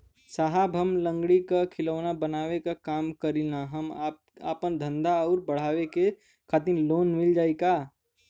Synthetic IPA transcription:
saɦabʱɐmlə̃ŋɡɽikakʰɪləʋnabənaːʋekakaːmkəɾinaɦɐma | a̰ːpənd̪ʱə̃nd̪aɔːɾbəɽ̤aːʋeke | kʰaːt̪iɾloːnmɪld͡ʒaːikaː

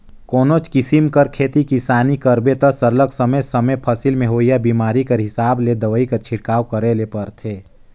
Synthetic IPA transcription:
koːnot͡ʃkɪsimkəɾkʰeːt̪ikisaːnikəɾbet̪əsəɾləksəməjsəməpʰəsilmẽɦoːijabiːmaːɾikəɾɦɪsaːbled̪əʋəikəɾt͡ʃʰɪʈkaːwkəɾelepɐɾt̪ʰeː

